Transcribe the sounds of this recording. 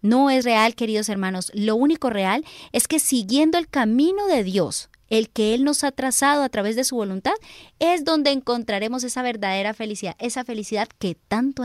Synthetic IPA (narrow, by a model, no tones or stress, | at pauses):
no̞e̞sre̞alke̞ɾiðo̞se̞ɾmãno̞slo̞uniko̞re̞ale̞ske̞siɣje̞nd̪oe̞lkamĩno̞ðe̞ðjo̞s | e̞lke̞e̞lno̞sat̪ɾasað̞o̞at̪ɾaβ̞e̞zðe̞suβo̞lunt̪aðe̞zðo̞nd̪e̞ːŋko̞nt̪ɾaɾe̞mo̞s̬e̞saβe̞ɾðaðe̞ɾafe̞lisiðae̞safe̞lisiðaðke̞t̪ant̪o